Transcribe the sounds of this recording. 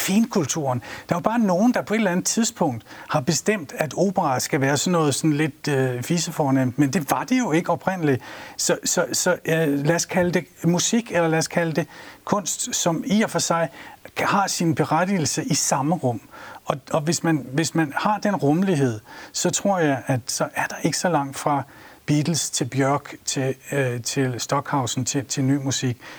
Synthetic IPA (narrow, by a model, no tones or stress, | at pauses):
fiːnkʰult͡sʰuɐnd̥ɑ̈æob̥ɑ̈ːno̝ːn̩d̥ɑ̈pʰɒ̽e̝d̥əlænð̩ˠt͡sʰiðˠsb̥ʰɔ̽ŋ̰d̥hɑ̈b̥e̝sd̥em̰d̥æd̥o̝̰ːb̥əʁɑ̈sɡ̥æʋæːɐsɒ̽nːɔ̽ːð̞̩ˠsɒ̽n̩le̝d̥̚øfiːsəfɒːnem̰d̥mend̥e̝ʋɑ̈d̥e̝jo̝e̝ɡ̥əɒ̽b̥ʁen̰əli̥sɒ̽sɒ̽sɒ̽læɐskʰæləd̥e̝musiɡ̥elɐlæɐskʰæləd̥e̝kʰɔ̽n̰sd̥sɒ̽miɐfɒ̽sɑ̈ɪhɑ̈sinb̥e̝ʁad̥il̩səʔisɑ̈məʁɔ̽m̰ɒ̽ɒ̽ʋe̝smænʋe̝smænhɑ̈d̥enʁɔməliɦe̝ð̞̰ˠsɒ̽t͡sʰʁo̝ɐ̰jɑ̈ɪʔæd̥sɒ̽ʔæɐd̥ɑ̈ʔe̝ɡ̥ə̥sɒ̽lɑ̈ŋ̰d̥fʁɑ̈ | b̥iːd̥l̩st͡sʰe̝lb̥jœɐɡ̥t͡sʰe̝t͡sʰe̝lsd̥ɒ̽ɡ̥hɑ̈ʊsn̩t͡sʰe̝t͡sʰe̝lny̰ːmusiɡ̥